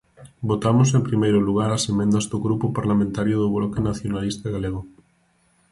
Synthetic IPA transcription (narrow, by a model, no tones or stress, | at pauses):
bot̪amʊsempɾimejɾʊluɣ̞aɾɐsemẽnd̪ɐzðoɣɾupʊpaɾlamẽnt̪aɾjʊðʊβlɔkenaθjonalist̪aɣaleɣ̞o